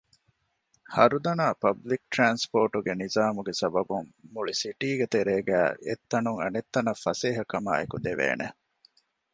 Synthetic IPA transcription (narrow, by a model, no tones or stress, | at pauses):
hɐɾud̪ɐnaːpɐblik̚ʈɾaːnspoːʈuɡenizaːmuɡesɐbɐbuŋːuɭisiʈiːɡet̪eɾeːɡæːḛt̪ːɐnuŋɐ̰net̪ːɐnɐfːɐseːɦɐkɐma̰ːekud̪eʋḛːne